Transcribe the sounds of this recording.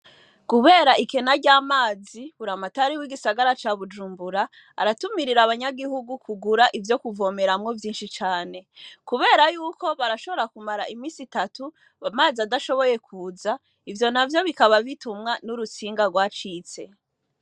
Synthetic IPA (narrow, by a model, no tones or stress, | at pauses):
kuβe̞ːɾaʔike̞naɾɟaːmaːziβuɾamataɾiwiɡisaɡaɾat͡ʃaβud͡ʒuːmbuɾaː | ɾatumiɾiɾaβaɲaɡihuɡukʰuɡuɾaʔivjo̞kuvo̞ːme̞ɾamŋo̞vjiːnʃit͡ʃaːne̞kuβe̞ːɾajuːko̞βaɾaʃo̞βo̞ɾakumaɾaʔimiːsitatu | amaːziadaʃo̞βo̞je̞kʰuːza | ivjo̞navjo̞βikaβaβitumŋanuɾut͡siːŋɡaɡwat͡ʃiːt͡se̞